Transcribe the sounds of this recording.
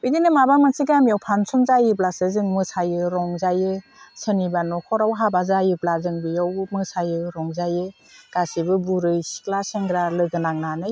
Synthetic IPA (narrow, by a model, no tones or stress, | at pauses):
bidinɯmabamansʰiɡamijawpʰansɔmzajɯblasɯzɯŋmɯsajɯɾɔŋzajɯ | sɯnibanɔkʰɔɾawɦabazajɯblazɯŋbijawmɯsajɯɾɔŋzajɯ | ɡ̥asibɯbuɾɯjsi̥klaseŋɡɾalɯɡɯnaŋnanɯj